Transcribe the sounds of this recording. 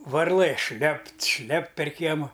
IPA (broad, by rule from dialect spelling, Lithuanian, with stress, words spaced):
ʋɐrˈlˠɘ ˈʃʲlʲɛpt ˈʃʲlʲɛpt pʲɛr ˈkʲiɛmʊ